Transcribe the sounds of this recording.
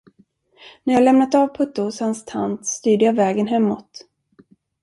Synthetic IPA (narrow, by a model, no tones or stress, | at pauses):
næɾjɑːlɛmnat̪aːvpʰɵt̪ːʊhʊshanst̪ʰa̰nt̪st̪yːɖəjavɛːɡənɦɛmːɔt̪